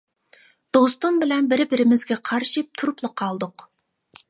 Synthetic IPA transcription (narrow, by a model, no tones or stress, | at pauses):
d̪̥ost̪umbɪlɛnbɪɾɪbɪɾɪmɪzɡʲɛqʰɑɾʃip̚t̪ʰuɾuplˠəqʰɑlˠd̪ʊq